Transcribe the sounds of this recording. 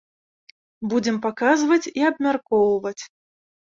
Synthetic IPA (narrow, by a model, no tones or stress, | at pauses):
bud͡zʲɛmpakazvɐt͡sʲiabmʲarkɔwvɐt͡sʲ